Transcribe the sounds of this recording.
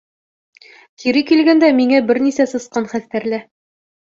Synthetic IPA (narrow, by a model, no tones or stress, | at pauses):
t̪iɾɘkilɡænd̪æmiŋæbɘɾnisæsɤ̆sqɑnχæθt̪æɾlæ